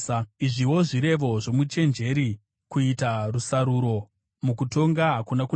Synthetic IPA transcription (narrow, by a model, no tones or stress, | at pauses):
iʐiwo̞ʐiɾe̞ʋo̞ʐo̞mut͡ʃe̞nd͡ʒe̞ɾi | kuitarusaɾuɾo̞ | mukuto̞ŋɡaɦakunaku